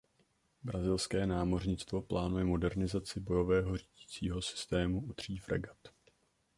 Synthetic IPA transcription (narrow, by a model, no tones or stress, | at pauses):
bɾazɪlskɛːnaːmo̞rɲɪt͡st̪vo̞plaːnujɛmo̞dɛɾnɪzat͡sɪbo̞jo̞vɛːɦo̞riːɟit͡siːɦo̞sɪ̥st̪ɛːmuʔud̪r̝̥iːfɾʔɛ̰ɡat̪